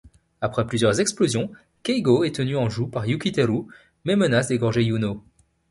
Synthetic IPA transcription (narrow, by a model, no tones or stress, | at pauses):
apχɛplyzjœʁzɛksplozjɔ̃ | kʲɛjɡoɛt̪ənyɑ̃ʒupaʁjukʲit̪eʁu | mɛmənasd̪eɡɔ̃ʁʒejuno